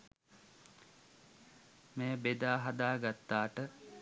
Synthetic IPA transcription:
meːbed̪aːɦad̪aːɡat̪ːaːʈə

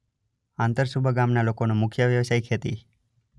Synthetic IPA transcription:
ãnt̪əɾsubʱəɡamnalokonomʊkʰjəʋjəʋsajkʰet̪ḭ

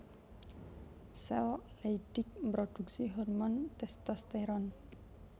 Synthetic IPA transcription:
sɛlleiɖ̥ik̚mbɾod̪̥uksiɦɔrmɔnt̪ɛst̪ɔst̪ɛɾɔn

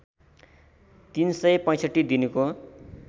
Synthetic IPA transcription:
t̪insʌjpʌ̃j̃sʌʈːid̪inuko

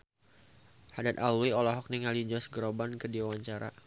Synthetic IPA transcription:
hadat̪alwiolaɦɔk̚niŋalid͡ʒɔsɡəɾobankədiwawaɲt͡ʃaɾa̰

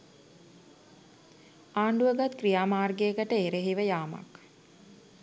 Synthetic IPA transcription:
aːɳɖuʋəɡat̪krijaːmaːrɡejəkəʈəeɾeɦiʋəjaːma̰k

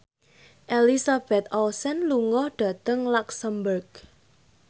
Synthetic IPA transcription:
ʔelisab̥ɛt̪̚ɔlsɛnluŋɔhɖ̥ä̤t̪əŋlaksəmbərɡ

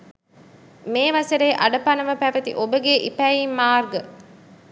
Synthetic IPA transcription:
meːʋɐseɾeːʔɐɖɐpɐnɐʋɐpæʋɐt̪ḭʔobəɡeʔipæːiːmːaːrɡə

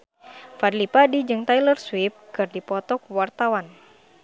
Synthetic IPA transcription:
fadlipadid͡ʒɨŋt̪ajlərswip̚kɨrdipɔt̪ɔkuwart̪awan

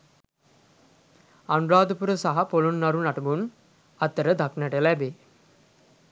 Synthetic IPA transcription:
anɾaːd̪upuɾəsaɦɐpolunːɐɾunɐʈɐbun | ɐt̪ːəɾəd̪aknəʈəlæbeː

